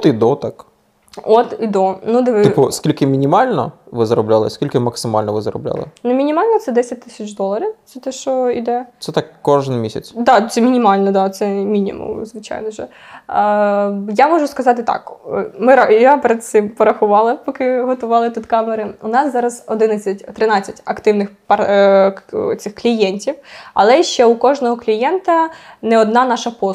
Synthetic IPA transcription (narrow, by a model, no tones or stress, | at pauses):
t̪id̪ɔt̪ɑk | ɔt̪id̪ɔnud̪eʋ̪ɪpʊskʲilʲkɪmʲinʲimɑlʲnɔ̰ | ʋɪzɐɾɔblʲalˠɪ̰skʲilʲkɪmɐksɪmɑ̰lʲnɔʋɪzɐɾɔ̰blʲa̰lˠɪ̰nʊmʲinʲimɑlʲnɔt̪sɛd̪ɛsʲɐt̚ʲt̪ːɪsʲɐt͡ʃd̪ɔlˠɐɾʲiwt̪sɛt̪ɛʃɔḭd̪ɛsɛt̪ɑkːɔʒɪnmʲisʲɐ̰t͡sʲd̪ɑt̪sɛmʲinʲimɑlʲnɔd̪ɑt̪sɛmʲinʲḭmʊ̰mzʋɪt͡ʃa̰jnɔʒɛ | jamɔʒʊskɐzɑt̪ɪt̪ɑ̰kmɪɾɐjapɾɛd̪sɪmpɔɾɐxʊʋɑlˠɐpɔkɪɦɔt̪ʊʋɑlˠɪt̪ut̪kɑmeɾɪʊnɑszɑɾɐzɔd̪ɪnɐt͡sʲːɐtʲt̪ɾɪnɑt͡sʲːɐtʲɐkt̪ɪwnɪxpɐ | t̪sɪxklʲijɛnʲtʲiwɐ̰lˠɛʃt͡ʃɛukɔʒnɔɦɔklʲijɛnt̪ɐnɛɔd̪nɑnɑʃɐpɔ